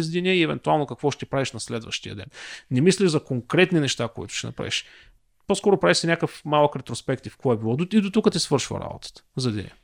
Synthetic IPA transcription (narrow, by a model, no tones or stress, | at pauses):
zd̪inɛiɛvɛ̰nt̪ualˠnokɐkvɔʃt̪ipɾaviʃnɐslɛd̪və̰ʃt̪ijə̰d̪ɛ̰nnɛmisliʒzɐkoŋkɾɛt̪ninɛʃt̪akoḭt̪ʊ̥ʃɛnɐ̰pɾa̰vḭʃ | poskɔɾʊpɾaviʃsɛnʲakəfmalˠəkɾɛt̪ɾospɛkt̪ifkɔɛbilˠɔd̪oid̪ot̪ukət̪isvɤɾʃvə̰ɾa̰bo̰t̪ə̥t̪ə̥zɐd̪ḭnʲɛ̰